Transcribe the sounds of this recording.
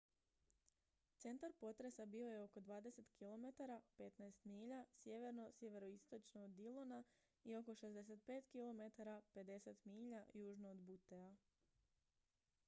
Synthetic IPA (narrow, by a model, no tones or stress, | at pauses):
t̪se̞nt̪aɾpo̞t̪ɾe̞sabio̞jeo̞ko̞d̪ʋaːd̪e̞se̞t̪kʰilo̞me̞t̪aɾape̞t̪najst̪miːʎasje̞ʋe̞ɾno̞sʲje̞ʋe̞ɾoist̪o̞t͡ʃnood̪ilˠona | io̞ko̞ʃezd̪e̞s̬et̪̚pe̞ːt̪kilo̞me̞t̪aɾape̞d̪e̞set̪miːʎajuːʒnood̪but̪ea